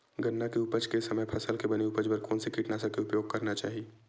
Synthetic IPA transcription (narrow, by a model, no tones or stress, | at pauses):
ɡənːakeʊpəd͡ʒkesɐməjpʰɐsəlkebɐniʊpəd͡ʒbɐɾkoːnsekiːʈnasakeʊpjoːɡ̚kɐɾnat͡ʃa̰ːɦieː